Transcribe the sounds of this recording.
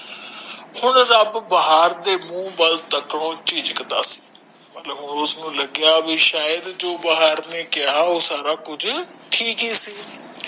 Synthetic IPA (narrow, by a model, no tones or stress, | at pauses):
hʊnɾɐbbɐɦaːɾd̪eːmũːbɐlt̪əkɽ̃oːt͡ʃiːd͡ʒkəd̪a̰ːsi̥ː | mɐt̪ləbɦʊnʊsnũːlɐɡɪjaːbiʃaːjəd̪d͡ʒoːbɐɦaːɾnekɪjaːɦoːsaːɾaːkʊd͡ʒʱʈʰiːkiːsiː